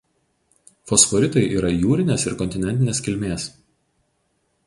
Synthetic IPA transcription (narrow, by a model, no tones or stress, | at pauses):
fɔsfɔɾʲɪt̪ɔɪʔiːɾɐjuːɾʲɪnʲeːsɪɾkɔnʲt̪ʲɪnʲɛnʲt̪ʲɪnʲeːskʲɪlʲmʲeːs